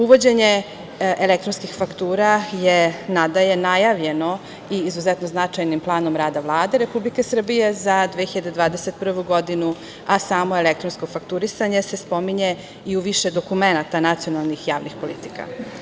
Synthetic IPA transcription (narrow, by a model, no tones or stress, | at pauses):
uʋo̞d͡ʑeɲe | ʔelek̚t̪ɾonskixfakt̪uːɾajenad̪aje̞najaʋʎe̞no̞ | iːzuzɛt̪no̞znat͡ʂajnimplˠaːno̞mɾaːd̪aʋlˠaːd̪e̞ɾe̞publikesr̩bije̞zad̪ʋexiʎad̪ed̪vʋaːd̪eset̪̚pr̩ʋuɡo̞d̪inu | asaːmoelek̚t̪ɾonsko̞fakt̪uɾisaɲe̞se̞spo̞miɲe | iuʋiʃed̪o̞kumenat̪anat̪sio̞nalˠnixjaːʋnixpo̞lit̪i̥ka̰